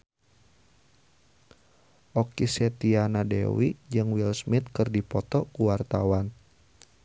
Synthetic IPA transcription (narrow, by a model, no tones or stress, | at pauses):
ʔɔkisɛt̪ianadɛ̰wid͡ʒɨŋwilsmit̪̚kɨrdipɔt̪ɔkuwart̪awan